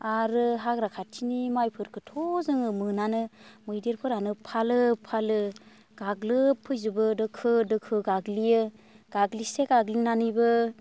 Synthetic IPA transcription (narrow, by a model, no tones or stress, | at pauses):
aɾɯɦaɡɾakʰatʰinimajpʰɯɾkʰɯtʰɔzɯŋɯmɯnanɯmɯjdeɾpʰɯɾanɯpʰalɯpʰalɯ | ɡ̥aɡlɯpʰɯjzɯbɯdɯkʰɯdɯkʰɯɡaɡlijɯ | ɡ̥aɡliseɡaɡlinanɯjbɯ